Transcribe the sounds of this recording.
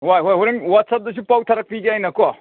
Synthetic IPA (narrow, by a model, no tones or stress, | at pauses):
wajɦojɦuɾeŋwat̚sap̚dɐs̬upawtʰɐɾɐk̚piɡeajnɐkɔ